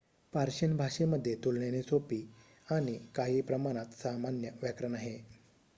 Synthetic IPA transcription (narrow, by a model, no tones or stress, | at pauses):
paɾɕənbʱaʂeməd̪ʱːjet̪ulɳjenesopiː | añikaɦiːpɾəmaɽ̃at̪samanjəʋjakɾənaɦe